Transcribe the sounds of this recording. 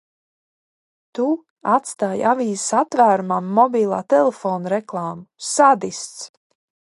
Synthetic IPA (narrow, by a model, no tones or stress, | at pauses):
t̪u | at̪st̪aːjaviːzsat̪væːɾumamːɔbiːlˠaːt̪ɛlefoːnɾɛklˠɑːmusad̪ist̪s